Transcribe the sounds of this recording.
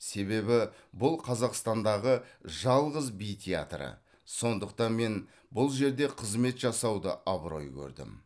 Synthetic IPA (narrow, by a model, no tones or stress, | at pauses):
se̞βe̞bɪ | bʊlˠqʰɑzɑqst̪ɑnd̪ɑʁəʒɑlˠʁəzbijt̪ʲʰea̰t̪rə̰ | so̞nd̪əq̚t̪ɑnme̞n | bʊlˠʒe̞ɾd̪e̞qʰəzme̞t̪ʒɑsɑwd̪ə̰ʔɑbɾo̞̰jkʲʰɵ̰ɾd̪ɪ̰m